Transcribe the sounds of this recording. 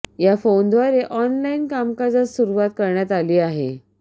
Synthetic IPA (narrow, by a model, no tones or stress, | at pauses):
jafond̪ʋaɾeʔɔnlainkamkad͡zat͡ssuɾuʋat̪kəɾɳjat̪aliːaɦḛ